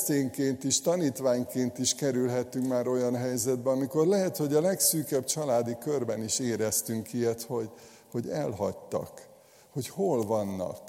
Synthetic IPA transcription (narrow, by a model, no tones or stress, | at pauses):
seːŋkeːnt̪iʃt̪ɒniːt̪ʋaːɲkeːnt̪iʃkɛɾylɦɛt̪ːyŋkmaːɾo̞jɒnɦɛjzɛd̪̚bɛɒmiko̞rlɛɦɛt̪ho̞ɟɒlɛksyːkɛbt͡ʃɒlaːd̪ikørbɛniʃeːɾɛst̪yŋkijɛt̪ho̞ɟ | ho̞ɟɛlɦɒct̪ɒ̰k | ho̞cholvɒnːɒ̰k